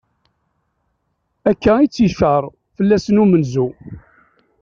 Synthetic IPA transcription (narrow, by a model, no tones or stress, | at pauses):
ækːæit͡sːiʃəɾˤ | fəlːæsənumənzu